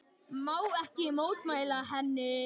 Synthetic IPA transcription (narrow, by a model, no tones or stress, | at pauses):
maːwɛhcɪmoːwt̪maːjlaɦɛnːɪ